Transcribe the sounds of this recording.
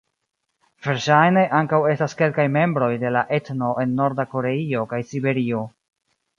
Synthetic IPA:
v̥e̞ɾʃajne̞ʔaŋkawe̞staske̞lkajme̞mbɾo̞jde̞laʔe̞tno̞ʔe̞nːo̞ɾdako̞ɾe̞io̞kajsibe̞ɾio̞

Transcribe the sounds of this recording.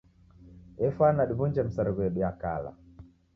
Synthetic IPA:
ɛfanaɗibund͡ʒɛm̩saɾiɣwɛɗiaka̰la̰

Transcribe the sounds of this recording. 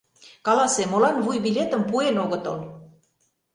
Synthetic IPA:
kɑlɑsemolɑnβujbilʲet̪ə̆mpuenoɣɤ̆t̪o̰l

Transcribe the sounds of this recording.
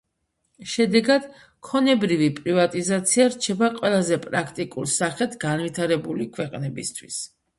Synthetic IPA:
ʃɛd̪ɛɡad̪̥ | kʰɔnɛbɾivipʼɾivat̪ʼizat̪sʰiaɾt͡ʃʰɛbaqʼwɛlˠazɛpʼɾakʰt̪ʼikʼulˠsaχɛt̪ʰɡanvit̪ʰaɾɛbulikʰwɛqʼnɛbist̪ʰwis

